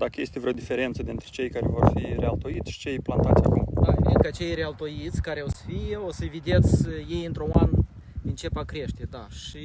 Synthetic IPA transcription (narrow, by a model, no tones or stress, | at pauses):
d̪akəjest̪e̞vɾeod̪ife̞ɾe̞nt̪səd̪int̪ɾe̞̥t͡ʃe̞jkaɾe̞vo̞rfiɾealt̪o̞it̪sʲʃi̥t͡ʃejplant̪at̪sʲakumaɾed̪̚kat͡ʃe̞jɾealt̪o̞jit̪sʲkaɾeosə̥fijeo̞səevid̪e̞t̪sʲəje̞jɨnt̪ɾoanɨnt͡ʃe̞pakɾe̞ʃt̪e̞d̪aʃi